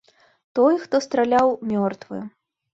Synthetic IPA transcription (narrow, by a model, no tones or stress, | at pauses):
t̪ɔjxt̪ɔst̪ɾalʲawmʲɔrt̪vɨ̰